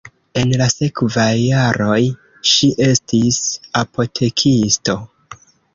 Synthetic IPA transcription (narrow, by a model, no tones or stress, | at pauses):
e̞nlase̞kvajːaɾo̞j | ʃiʔe̞stisapʰo̞tʰe̞kʰisto̞